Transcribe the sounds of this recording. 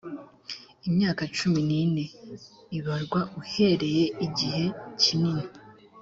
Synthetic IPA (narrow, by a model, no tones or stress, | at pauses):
imɲaːkat͡ʃuminine̞ | iβaɾɡwauhe̞ɾe̞je̞iɟihe̞cinini